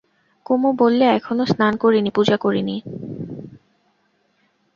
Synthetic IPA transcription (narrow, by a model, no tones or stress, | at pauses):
komobolːeɛkʰonosnankoɾinipud͡ʑakoɾini